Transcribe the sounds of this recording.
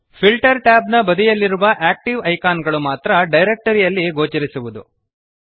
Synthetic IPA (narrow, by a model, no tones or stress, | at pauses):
pʰilʈɐɾʈaːb̚nɐbɐd̪ijɐlːiɾuʋɐʔaːk̚ʈiʋɐjkaːnɡɐɭumaːt̪ɾɐɖɐjɾek̚ʈɐɾijɐlːiɡo̞ːt͡ʃɐɾisuʋud̪u